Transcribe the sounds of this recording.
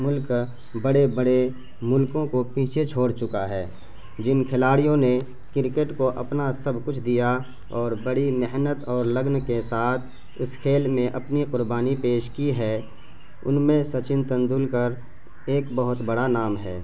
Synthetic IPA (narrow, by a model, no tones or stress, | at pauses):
mʊlk | bəɽebəɽe | mʊlkõkopiːt͡ʃʰet͡ʃʰoːɽt͡ʃʊkaɦɛː | d͡ʒɪnkʰɪlaːɽijõne | kɪɾkeʈkoʔɐpnasɐbʱkʊt͡ʃʰd̪ija | ɔːɾbəɽimɪɦnət̪ɔːɾləɡnkesaːt̪ʰ | ʊskʰeːlmẽʔɐpniqʊɾbaːnipeːʃkiɦɛː | ʊ̰nmẽsɐt͡ʃɪ̃nt̪ə̃nd̪uːlkəɾ | eːkbəɦʊt̪bəɽanaːmɦɛː